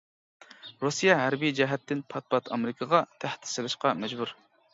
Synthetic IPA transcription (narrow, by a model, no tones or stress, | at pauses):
ɾusijɛɦæɾbijd͡ʒɛɦɛt̪ːɪnpʰɑt̪̚pɑt̪ʰɑmɪɾɪkʰəʁɑt̪ʰæht̪ʰɪ̥sɨlˠɨʃqɑmɛd͡ʒbuɾ